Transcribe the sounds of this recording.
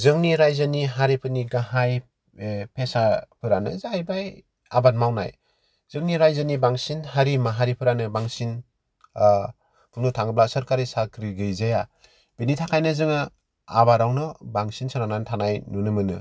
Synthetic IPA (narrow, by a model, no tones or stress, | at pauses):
zɯŋniɾajzaniɦaɾipʰɯniɡaɦaj | pʰesapʰɯɾanɯ̰zajbaj | abanmawna̰j | z̥ɯŋniɾajzanibaŋsinhaɾimaɦaɾipʰɯɾanɯbaŋsin | kʰɯŋnɯtʰaŋɯblasɯɾkaɾisakɾiɡɯjzaja | b̥initʰakʰajnɯzɯŋɯ | a̰baɾawnɯbaŋsinsɯnanantʰanajnunɯmɯnɯ̰